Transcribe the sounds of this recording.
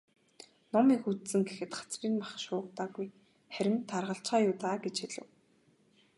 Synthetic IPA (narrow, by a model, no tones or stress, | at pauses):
nɔmiːkut̪sɘ̆ŋɡexɘ̆t̪χḁt͡sriːnmaχʃʊːqt̪aːɣuj | χæɾʲɪ̆mt̪ʰːarʁə̆ɬt͡ɕɢaːjʊːt̪aːɡet͡ɕxeɮɘ̆w